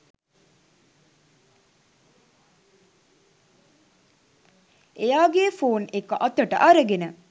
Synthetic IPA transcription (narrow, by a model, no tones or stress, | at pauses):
ejaːɡeːfoːnekɐʔɐt̪əʈə̰ʔɐɾəɡenə